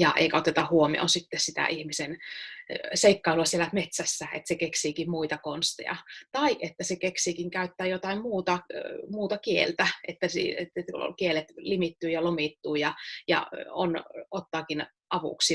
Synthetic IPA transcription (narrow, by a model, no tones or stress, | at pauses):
jɑʔḛikæot̪et̪ɑhuomḭo̰nsit̪ːessit̪æ̰ʔihmisen | seikːɑiluɑsielæmet̪sæsːæḛt̪sekeksiːkimmuit̪ɑkonst̪ḛjɑ̰t̪ɑiʔet̪ːæsekeksiːkiŋkæyt̪ːæːjot̪ɑimmuːt̪ɑmuːt̪ɑkiḛlt̪æet̪ːæsḭet̪ːet̪kielet̪limit̪ːyːjɑlomit̪ːuːjɑjɑ̰o̰not̪ːɑːkin | ʔɑʋṵksi